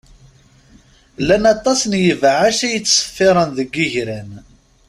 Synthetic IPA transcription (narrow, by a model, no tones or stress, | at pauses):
lænɑt̪ˤːɑsənjəvʕaʃæjət͡sːsə̥fːɪɾˤɑnðəɡːiʝɾæn